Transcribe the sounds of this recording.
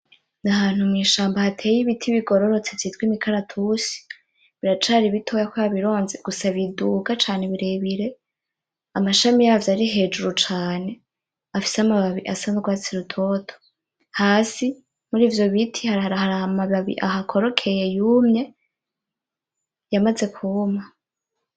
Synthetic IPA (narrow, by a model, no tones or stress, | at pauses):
naɦaːn̥humŋiːʃaːmbahatʰe̞ːjiβitʰiβiɡo̞ɾo̞ɾo̞t͡se̞vjiːtɡwimikʰaɾatʰusi̥ | βiɾat͡ʃaɾiβitʰo̞jakojaβiɾo̞ːnzeɡ̥usaβiduːɡat͡ʃaːneβiɾe̞βiɾe̞ | amaʃamijavjaɾiɦe̞ːd͡ʒuɾut͡ʃaːne̞ | afi̥seamaβaβiʔasanoɡwaːt͡siɾutʰo̞tʰo̥ | haːsi | muɾiːvjo̞βitʰihaɾaɾahaɾaamaβaβḭʔaɦakʰo̞ɾo̞kʰe̞je̞juːmɲe̞ | jamaze̞kʰuma